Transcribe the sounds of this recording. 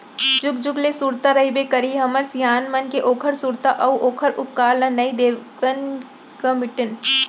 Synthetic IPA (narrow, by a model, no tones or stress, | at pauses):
d͡ʒʊɡd͡ʒʊɡlesuːɾt̪aɾɐibekɐɾiɦɐməɾsijaːnmɐnkeʔoːkʰəɾsuːɾt̪aʔɐwʔoːkʰəɾʊp̚kaːlɐnɐid̪eːkən | kɐmɪʈɪn